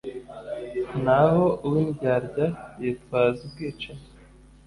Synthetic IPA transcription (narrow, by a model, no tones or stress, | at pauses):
nahoʔuwinɡaɾɟajet̚waːzub̚ɡiːt͡ʃe